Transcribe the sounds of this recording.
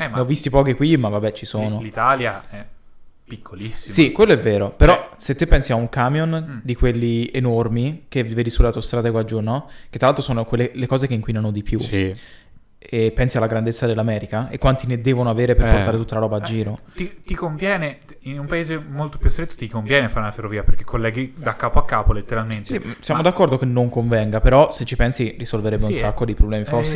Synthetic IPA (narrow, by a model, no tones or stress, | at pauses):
ɛmneɔvːist̪ipɔːk̟ekwimavːabːɛt͡ʃisoːnolit̪aːljaɛ | pikʰːolisːisikwelːoɛvːeːɾopeɾɔset̪ːepːɛnsiauŋkamjond̪ikwelːienormikeveːd̪isulat̪ːost̪ɾat̪ɛːɡoad͡ʒunɔket̪ːɾalalt̪ɾosoːnokwelːelekɔːzekeiŋkwinanod̪ipjusi | ɛpːɛnsialːaɡɾand̪et̪sːad̪elːamɛːɾikaekːwant̪ined̪ɛːvonoaveːɾeperport̪aːɾet̪ut̪ːalaɾɔːbaːd͡ʒːiːɾot̪it̪ikoɱvjɛːne | inumpaeːzemolt̪o̥pjust̪ɾet̪ːo̥t̪ikoɱvjɛːnefaɾeunaferːoviːaperkekːolːɛːɡid̪akːaːpoakːaːpolet̪ːeɾalment̪esisjamod̪akːɔrd̪okenːoŋkoɱvɛŋɡapeɾɔset͡ʃːipɛnsirisolveɾɛbːeusakːod̪ipɾoblɛːmifforsːe